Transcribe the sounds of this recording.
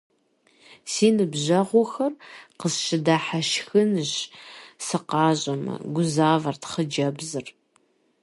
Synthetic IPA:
siːnɨbʑɐʁʷɔxɐrqəzʃɪdaːħaʃxɨnɨʑsɨqɑːʑʼɐmɐ̰ɡʷʊzaːvɐrtʰχəd͡ʒɐbzɨr

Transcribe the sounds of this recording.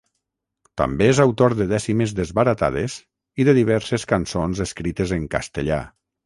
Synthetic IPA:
t̪a̰mbeezawt̪oɾðəðɛsimezðəzβaɾat̪a̰ð̞ez | iðəðiβɛɾseskansonzeskɾit̪ezəŋka̰st̪əʎa̰

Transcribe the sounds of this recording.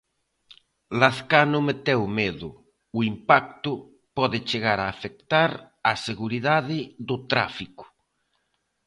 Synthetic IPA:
laθkanʊmet̪ɛwmeðʊː | impak̚t̪ʊ | pɔðɪt͡ʃeɣaɾaːfek̚t̪aɾ | aseɣuɾiðaðɪðʊt̪ɾa̰fikʊ̥

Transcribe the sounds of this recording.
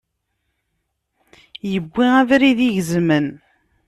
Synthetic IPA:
jəbʷːiævɾiðiʝzmən

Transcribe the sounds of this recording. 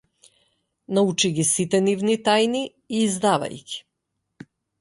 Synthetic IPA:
naut͡ʃiɡʲisit̪ɛnivnit̪ajni | iːzd̪ava̰jkʲi̥

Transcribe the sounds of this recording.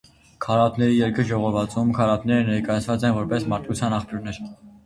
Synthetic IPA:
kʰɑɾɑt̪nɛɾijɛɾkəʒɔʁɔvɑt͡sumkʰɑɾɑt̪nɛɾənɛɾkɑjɑt͡sʰvɑt͡sɛnvɔɾpɛsmɑɾt̪ut͡sʰjɑnɑχpjuɾnɛɾ

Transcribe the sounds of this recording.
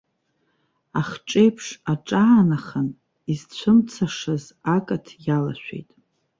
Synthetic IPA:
aχʈ͡ʂʼe̞jpʰʂaʈ͡ʂʼaːnaχən | izt͡ɕʷʰʊmt͡sʰaʂaz | akʼatʰjala̰ʃʷᶣḛjtʼ

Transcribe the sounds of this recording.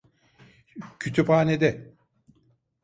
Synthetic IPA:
cʰyt̪ʰypaːned̪ɛ

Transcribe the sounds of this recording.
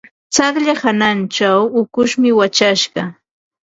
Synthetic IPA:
t͡saχʎahanant͡ʃawʊkʊʃmɪwat͡ʃaʃɢɑ

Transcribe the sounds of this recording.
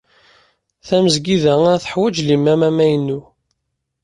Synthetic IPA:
θæməzɡiðææθə̥ħwæd͡ʒlimːæmæmæjənːu

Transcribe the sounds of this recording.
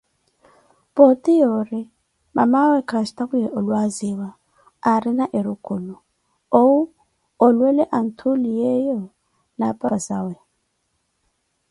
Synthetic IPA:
potʼijoɾi | ma̰mawɛkʰastakujɛʔolwaziwaː | ɾinaʔeɾukʼulu | ou | olwɛlɛʔan̩tʰulijɛjɔ | napʼasawɛ

